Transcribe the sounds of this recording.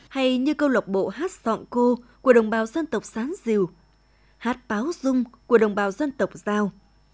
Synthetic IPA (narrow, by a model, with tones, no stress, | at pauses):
ha˧jɲɨ˧kə˧wlə˨˩wk͡p̚ɓo̰˧˨haː˦˥t̚zɔ̰˧˨nko˧ku˧˩əɗə˨˩wŋ͡mɓaː˨˩wzə˧nt̪ə˨˩wk͡p̚saː˨˦nzi˨˩˨w | haː˦˥t̚paː˨˦wzʊ˧ŋ͡mku˧˩əɗə˨˩wŋ͡mɓaː˨˩wzə˧nt̪ə˨˩wk͡p̚zaː˧w